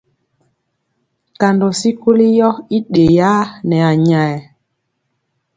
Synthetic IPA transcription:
ka˨ndo˨si˦ku˦li˦jɔ˦i˦ɗe˨ja˦nɛ˨a˨ɲa˨ɛ˨

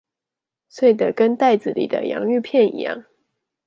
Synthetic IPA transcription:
swe˥˩ɪd̪ə˨˩kə˥nt̪a˥˩ɪd͡zɹ̩˨˩lḭ˨˩d̪ə̰˦jɑ̰˧˥ŋy˥˧pʰjɛ˥˩nḭ˧˥jɑ̰˥˩ŋ

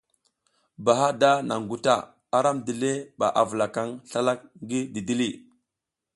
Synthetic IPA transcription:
ba˨ɦa˦da˦na̰˨ŋ˨ɡu˨ta˦˨ | a˨ɾa˦mdi˨le˦ɓa̰˨ʔa˨və˨la˨ka˦ŋɬa˦la˦k̚ŋɡi˦di˨di˦li˦

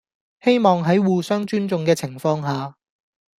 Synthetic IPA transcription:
he˥jmɔː˨ŋɦɐ˨˥jwuː˨sœː˥ŋt͡ʃyː˥nt͡sʊ˨ŋkɛː˧t͡sʰɪ˨˩ŋfɔː˧ŋɦaː˨

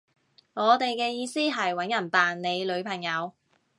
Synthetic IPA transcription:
ŋɔː˨˧t̪e˨jkɛː˧jiː˧siː˥ɦɐ˨jwɐ˨˥njɐ˨˩npaː˨nne˨˧jlɵ˨˧ɥpʰɐ˨˩ŋjɐ˨˧w

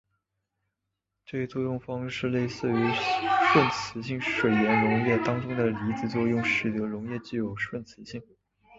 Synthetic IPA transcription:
ʈ͡ʂe˥˩˥t̪wɔ˥jʊ˥˩ŋfɑ˥ŋʂɻ̩˥˧le˥˧ɪsɹ̩˥˩y˧˥ʂwə˥˩nt͡sʰɹ̩˧˥ɕi˥˩ŋʂwe˨˩ɪjɛ˧˥nɻʊ˧˥ŋjɛ˥˩t̪ɑ˥ŋʈ͡ʂʊ˥ŋd̪ə˨li˧˥t͡sɹ̩˥˩t͡swɔ˥˧jʊ˥˧ŋʂɻ̩˥˩t̪ɤ˧˥ɻʊ˧˥ŋjɛ˥˧t͡ɕi˥˩jo˨˩ʊʂwə˥˩nt͡sʰɹ̩˧˥ɕi˥˩ŋ

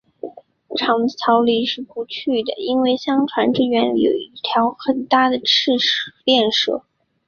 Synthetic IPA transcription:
ʈ͡ʂʰɑ˧˥ŋt͡ɕʰjɑ˧˥ʊli˧˥ʂɻ̩˥˩pu˧˥t͡ɕʰy˥˩d̪ə˩i˥nwe˥˩ɪɕjɑ˥ŋʈ͡ʂʰwa˧˥nʈ͡ʂɻ̩˥ɥɛ˧˥njo̰˨˩ʊi˥˩t̪ʰjɑ˧˥ʊxə˨˩nt̪a˥˩d̪ə˩ʈ͡ʂʰɻ̩˥˧ʂ̩˨˩pjɛ˥˧nʂɤ̰˥˩

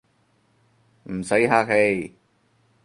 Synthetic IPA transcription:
m̩˨˩sɐ˨˥jɦaː˧k̚he˧j

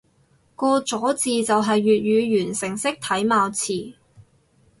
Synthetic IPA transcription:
kɔː˧t͡sɔː˨˥t͡siː˨t͡sɐ˨wɦɐ˨jːyː˨t̚jyː˨˧ɥyː˨˩nsɪ˨˩ŋsɪ˥k̚t̪ʰɐ˨˥jmaː˧wt͡sʰiː˨˩

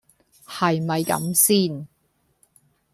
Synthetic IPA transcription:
hɐ˨jmɐ˨jkɐ̰˨˥msiː˥n

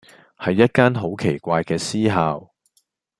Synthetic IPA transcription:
hɐ˨jːɐ˥t̚kaː˥nɦo˨˥wkʰe˨˩jkʷaː˧jkɛː˧siː˥ɦaː˨w

